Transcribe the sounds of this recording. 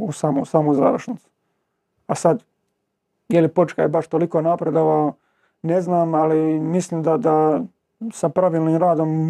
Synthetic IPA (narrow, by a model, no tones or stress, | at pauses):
usaːmosaːmoza̰ːʋɾʃnit̪su̥ | asad̪ | jelipo̞t͡ʃkajbaʃt̪o̞likonapɾed̪oʋa | neznaːmalimisliːmd̪ad̪a | sapɾaʋiːlniːmɾaːd̪o̞m